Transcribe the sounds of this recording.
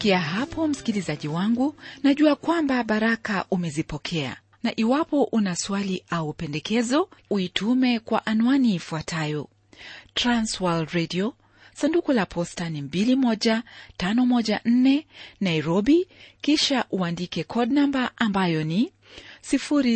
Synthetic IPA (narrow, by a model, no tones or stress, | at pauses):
kiaɦapɔm̩si̥kilizaʄiwaŋɡunaʄuakwambaɓaɾakaʔumɛzipɔkʰɛa̰ | naʔiwapɔʔunaswaliʔaupɛndɛkɛzɔuitʰumɛkwaʔanuaniːfuatʰajɔ | tɾanswaldɾɛdiɔ | sandukulapʰɔstanimbilimɔʄatanɔmɔʄan̩nɛnaiɾɔɓikiʃaʔuandikɛkʰɔdnambaʔambajɔni | sifuɾi